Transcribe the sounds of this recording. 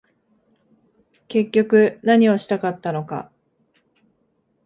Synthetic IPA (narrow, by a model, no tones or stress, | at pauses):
ke̞kʲːo̞kɯ̟naɲ̟ioɕi̥t̪akat̪ːano̞ka̰